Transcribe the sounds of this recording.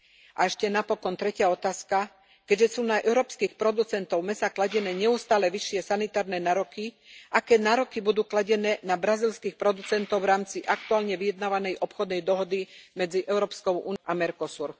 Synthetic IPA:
ʔaɛʃcɛnapɔkɔnt̪ɾɛcɪaɔt̪aːska | kɛɟʒɛsuːnaʔɛʊɾɔːpskixpɾɔd̪ut͡sɛnt̪ɔʊmɛsaklaɟɛnɛːɲɛust̪aːlɛʋiʃːɪɛsanit̪aːɾnɛːnaːɾɔki | ʔakɛːnaːɾɔkibud̪uːklaɟɛnɛːnabɾazilskixpɾɔd̪ut͡sɛnt̪ɔʊvɾaːmt͡siʔak̚t̪uaːlɲɛʋijɛd̪naːʋanɛjʔɔpxɔd̪nɛjd̪ɔɦɔd̪imɛd͡ziʔɛʊɾɔːpskɔʊʔṵːnamɛɾkɔsuɾ

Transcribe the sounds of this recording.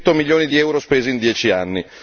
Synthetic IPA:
t̪ːomiljoːnid̪iɛwɾospeːzind̪jɛːt͡ʃianːi

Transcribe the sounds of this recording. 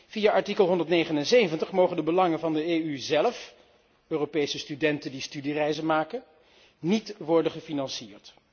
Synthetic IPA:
fijaːʔɑɹtikəlˠɦɔndəɹtnejχənɛnsejvəntəχmowχəndəbəlɑŋənvɑndəeːyzɛləf | øːropejsəstydɛntəndistydirɛjzənmaːkən | nitʋɔɹdənχəfinɑnsiːɹt

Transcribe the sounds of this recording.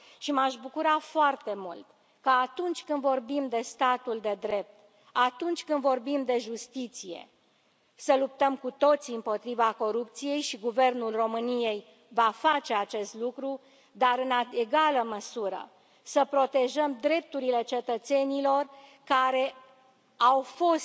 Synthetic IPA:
ʃimaʃbukuɾafoart̪e̞mult̪ | kaːt̪unt͡ʃʲkɨnd̪vo̞rbimd̪e̞st̪at̪uld̪e̞d̪ɾe̞p̚t̪ | at̪unt͡ʃʲkɨnd̪vo̞rbimd̪e̞ʒust̪it̪sije̞̰ | səlup̚t̪əmkut̪o̞t̪siɨmpo̞t̪ɾivako̞ɾup̚t̪sije̞jʃiɡuve̞rnulro̞mɨnije̞j | vafat͡ʃe̞at͡ʃe̞st̪lukɾu | d̪aɾɨnaeɡaləməsuɾə̰ | səpɾo̞t̪e̞ʒəmd̪ɾe̞p̚t̪uɾile̞t͡ʃe̞t̪ət̪se̞nilo̞rkaɾe̞ | awfo̞st̪

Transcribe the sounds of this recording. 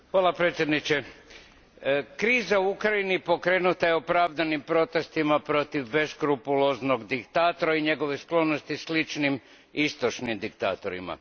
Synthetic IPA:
xʋaːlapɾet̪sʲje̞d̪nit͡ʃe̞ | kɾiːzauukɾainipo̞kɾe̞ːnut̪ajeopɾaːʋd̪animpɾo̞t̪e̞st̪imapɾo̞t̪iʋːe̞skɾupulozno̞ɡd̪ikt̪aːt̪o̞ɾaiɲe̞ɡo̞ʋesklo̞no̞st̪islit͡ʃnim | ist̪o̞t͡ʃnimd̪ikt̪a̰ːt̪o̞ɾḭma̰

